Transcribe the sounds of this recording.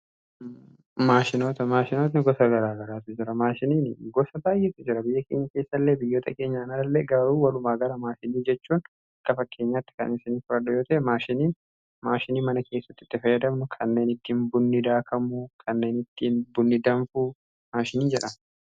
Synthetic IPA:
maːʃɪnoːt̪ɐmaːʃɪno̞ːt̪nɪɡɔsɐɡɐɾaːɡɐɾaːt̪ʊd͡ʒɪɾɐmaːʃɪniːnɪɡɔsɐbaːjːɛt̪ʊd͡ʒɪɾɐbɪjːɐkeːɲːɐke̞ːsːɐlːeːbɪjːoːt̪ʰʼɐke̞ːɲːɐnɐɾɐlːe̞ːɡɐɾuːwɐlʊmaːɡɐɾɐmaːʃɪniːd͡ʒɛt͡ʃːuːn | ɐkːɐfɐkʰːe̞ːɲːaːt̪ːɪ̥kɐ̰nɪsɪniːfʊɾɐdʊjo̞ːt̪ɐʔɛmaːʃɪniːn | maːʃɪniːmɐnɐkʰe̞ːsːɐ̥t̪ːɪ̥t̪ːɪfɐjːɐd̪ɐmnʊkʰɐnːe̞ːnɪt̪ːinbʊnːɪd̪aːkʰɐmʊkʰɐnːeːnɪt̪ːiːnbʊnːɪd̪ɐɱfu | maːʃɪniːnd͡ʒɛᶑɐm

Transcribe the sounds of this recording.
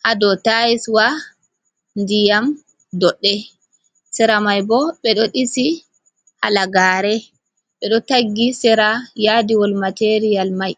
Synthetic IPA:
ʔadɔtajiswa | ndijam | dɔɗːɛ | sɛɾamajbɔɓɛɗɔɗisi | halaɡaːɾɛ | ɓɛɗɔtaɡːisɛɾajadiwɔlmateɾijalmaj

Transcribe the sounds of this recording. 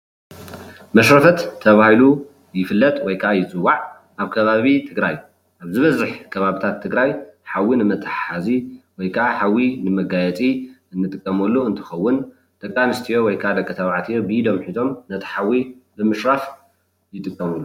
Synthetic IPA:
mɐʃɾɐfɐt̪ʰːɐβahilu | jɪfɨlːɐt̪ʼwɔjkʰʔajɪt͡sʼɨwːaʕ | ʔaβkʰɐβaβit̪ʰɨɡɾaj | ʔaβzɨβɐzɨħkʰɐβaβit̪ʰat̪ʰːɨɡɾajħawinɨmɐt̪ʰɨħaziwɔjkʰaʔaħawːinɨmɐɡajɛt͡sʼiɨnːɨt̪ʼɨkʼːɐmulːuɨnt̪ʰɨ̥xɐwːʊn | d̪̥ɐkʼːanɨst̪ʰijo̞wɔjkʰad̪ɐkʼːɐt̪ʰɐβaʕt̪ʰijobɨʔid̪o̞mħizo̞mnɐt̪ʰħawibɨmɨʃɾaf | jɪt̪ʼɨkʼːɐmulːu

